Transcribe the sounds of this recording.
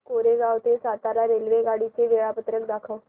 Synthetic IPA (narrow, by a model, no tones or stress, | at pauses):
koːɾeːɡaːʋt̪esaːt̪aːɾaːɾeːlʋeːɡaːɽiːt͡ʃeːʋeːɽaːpət̪ɾəkd̪aːkʰa